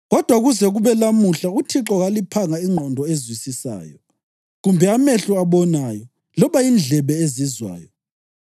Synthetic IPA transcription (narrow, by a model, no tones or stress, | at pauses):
ɣɔd̥ʱwaɣuzɛɣuβɛlamuɬautʰiǁɔɣalipʰaŋaiŋ͡ǃʱɔndʱɔezwisisa̰ːjɔ | ɣumbʱɛameɬuaβɔnajɔ | lɔβaind͡ɮʱɛβɛezizwa̰ːjɔ